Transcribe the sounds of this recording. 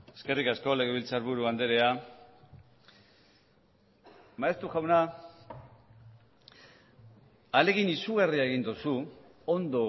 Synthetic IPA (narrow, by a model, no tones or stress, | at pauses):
e̞ske̞rikasko̞le̞ɣeβilt͡saɾβuɾuand̪e̞ɾe̞a | maest̪uʝawna | ale̞ɣinisuɣ̞ariae̞ɣind̪usu | ond̪o̞